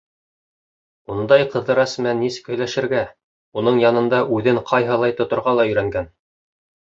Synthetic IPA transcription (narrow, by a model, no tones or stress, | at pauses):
und̪ɑjqɤ̆ðɤ̆ɾɑsmænisɘ̥̆khɵ̆jlæʃɘ̆ɾɡæ | unɤɴjɑnɤ̆nd̪ɑʔʉðɘɴqʰɑjɦɤ̆lˠɑjt̪ŏt̪ŏɾʁɑlˠɑɵ̆jɾæŋɡæn